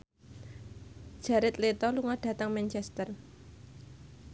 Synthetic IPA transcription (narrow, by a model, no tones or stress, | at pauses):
d̥ʒ̥a̤ɾɪt̪let̪ɔluŋɔɖ̥ä̤t̪əŋmɛnt͡ʃɛst̪ər